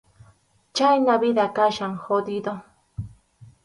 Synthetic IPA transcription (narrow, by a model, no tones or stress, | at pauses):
t͡ʃajnaβɪd̪akaʃaŋxod̪id̪o